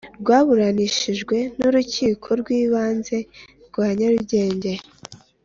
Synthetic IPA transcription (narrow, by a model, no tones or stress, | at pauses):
ɾɡwaːβuɾaniʃiʒɡwe̞nuɾuciːkʰo̞ɾɡwiːβaːnze̞ | ɾɡwaːɲaɾuɟe̞ːɲɟe̞